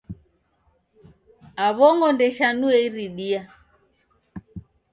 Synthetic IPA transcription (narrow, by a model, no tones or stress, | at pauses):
aβɔŋɡɔndɛʃanuɛiɾiɗia